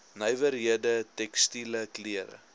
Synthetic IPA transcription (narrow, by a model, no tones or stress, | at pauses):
nəjvəɾiədətɛkstiləkliəɾə̰